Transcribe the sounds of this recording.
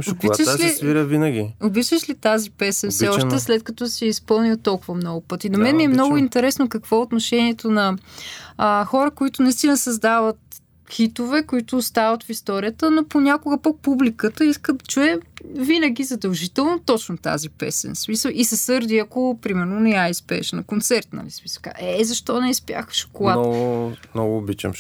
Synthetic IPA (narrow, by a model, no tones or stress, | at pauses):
b̪ʃliviɾəvinəɡʲḭobit͡ʃvəʃlit̪azipɛsɛnfsɛɔʃt̪ɛslɛt̪̚kɐt̪ɔsɛɛispɤlˠnilˠt̪ɔlˠkʊvɐmnɔɡʊpɤt̪inɐmɛnmiɛmnɔɡʊint̪ɛɾɛsnokɐkvɔɛot̪noʃɛniɛt̪onɐ | xɔɾəkoit̪ʊnɐist̪inəsɐzd̪avət̪ | xit̪ovɛkoit̪ʊːst̪avət̪fist̪ɔɾijət̪ənoponʲakʊɡəpək̚publikət̪əiskət͡ʃuɛvinəɡʲizɐd̪ɐlˠʒit̪ɛlˠnot̪ɔt͡ʃnot̪a̰zipɛ̰sɛ̰nsmisəlˠʔisɐsɤɾd̪iɐkopɾimɛɾnonɛaispɛ̰ʃnkont̪sɛɾt̪nɐ̰lismisəka̰ɛzɐʃt̪ɔnɛispja̰xʃo̥kolˠamnɔɡʊːbit͡ʃɛ̰m